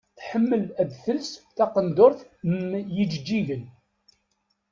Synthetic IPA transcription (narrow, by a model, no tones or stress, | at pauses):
θħəmːəlæðθəlsθæqənd̪ʊɾθjəd͡ʒd͡ʒːilən